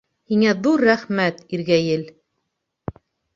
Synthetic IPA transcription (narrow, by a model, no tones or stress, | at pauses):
hiŋæðuɾːæχmæt̪iɾɡæjɘl